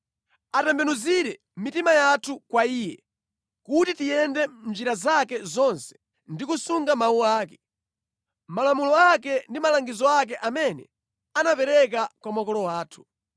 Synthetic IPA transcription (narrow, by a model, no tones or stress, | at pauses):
atɛmbɛnuziɾɛ | mitimajatʰukwaiːjɛ̰ | kutitijɛndɛm̩d͡ʒiɾazakɛzɔnsɛ̥ | ndikusuŋɡamauaːkɛ̥ | malamulɔakɛndimalaŋɡizɔak̬ɛʔamɛnɛ̰ | anapɛɾɛk̬akwamwakɔlɔwaːtʰu̥